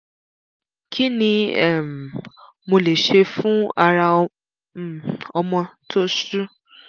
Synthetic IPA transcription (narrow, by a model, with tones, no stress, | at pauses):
kʰi˦nĩ˧ɛ˦˨m˨ | mo˧le˨ʃe˧fũ˦a˧ɾa˧ | ɔ˧mɔ̃˧tʰo˦su˦